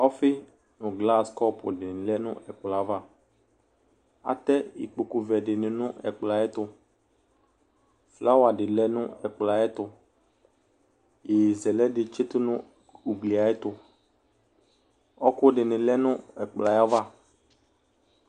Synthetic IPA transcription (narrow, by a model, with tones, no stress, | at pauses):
ɔ˦fɪ˦ | nʊ̃˨ɡla˦skɔ˦pʊ̰˨dɪ˨nɪ̃˨lɛ˦nʊ̰̃˦ʔɛ˨k͡pla˨˦va˦ | a̰˨t̪ɛ˦ḭ˨k͡pu˨ku˨vɛ˨ɖɪ˨nɪ̃˨nʊ̃˦ʔɛ̰˨k͡pla˨ɛ˦t̪ʊ˦ | fla˦wa˨ɖɪ˨lɛ˦nʊ̃˦ɛ˨k͡pla˨ɛ˦t̪ʊ˨ | je˨zɛ˨lɛ˦dɪ˨t͡ʃe˦t̪ʊ˦nʊ̃˦ | u˨ɡ͡bli˨a˨˦ɛ˦t̪ʊ˨ | ɔ˦kʊ˦ɖɪ˨nɪ̃˨lɛ˦nʊ̃˦ɛ˨k͡pla˨ja˦va˦